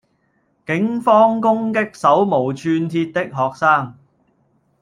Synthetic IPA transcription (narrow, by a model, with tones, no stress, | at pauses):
kɪ˨˥ŋfɔː˥ŋkʊ˥ŋkɪ˥k̚sɐ˨˥wmo˨˩wt͡ʃʰyː˧nt̪ʰiː˧t̚t̪ɪ˥k̚ɦɔː˨k̚saː˥ŋ